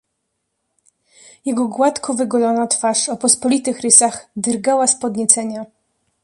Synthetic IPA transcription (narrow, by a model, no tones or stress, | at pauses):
jɛɡɔɡwat̪kʰɔvɘɡɔlɔnat̪faʂɔpɔspɔlʲit̪ɘxɾɘsaxd̪ɾɡawaspɔd̪ɲɛt̪sɛɲa